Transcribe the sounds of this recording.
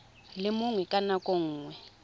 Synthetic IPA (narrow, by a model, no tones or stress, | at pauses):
lɪmuŋwɛkʼanakʼoŋ̩ːŋwɛ